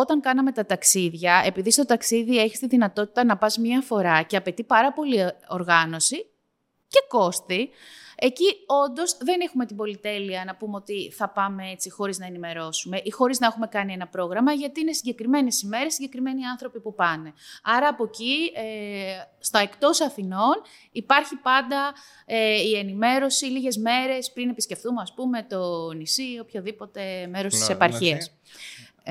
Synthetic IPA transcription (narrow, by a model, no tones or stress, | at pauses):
o̞t̪ɐŋkɐnɐmet̪ɐt̪ɐksiðʝɐe̞piðist̪o̞t̪ɐksiðie̞çi̥st̪iðinɐt̪o̞t̪i̥t̪ɐnɐpɐzmɲɐfo̞ɾɐce̞ɐpe̞t̪ipɐɾɐpo̞lio̞ɾɣɐno̞si | ce̞ko̞st̪ie̞cio̞nd̪o̞zðe̞nexume̞t̪ibo̞lit̪e̞liɐnɐpumeo̞t̪iθɐpɐmee̞t͡sixo̞ɾiznɐe̞nime̞ɾo̞sume̞ʔixo̞ɾiznɐexume̞kɐnie̞nɐpɾo̞ɣɾɐmɐʝɐt̪iine̞siɲɟekɾime̞nesime̞ɾe̞sːiɲɟe̞kɾime̞niɐnθɾo̞pipupɐne̞ɐɾɐːpo̞cie | st̪oe̞kt̪o̞sɐθino̞n | ipɐɾçipɐnd̪ɐ | eie̞nime̞ɾo̞siliʝe̞zme̞ɾe̞spɾinepisce̞fθumeɐspume̞t̪o̞nisio̞pço̞ðipo̞t̪e̞me̞ɾo̞st̪isepɐɾçiɐs